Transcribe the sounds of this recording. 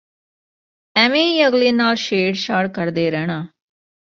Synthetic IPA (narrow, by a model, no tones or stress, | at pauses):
ɛːmẽːjəɡliːnaːlʃeːɽʃaːɽkəɾd̪eːɾɛːɽ̃aː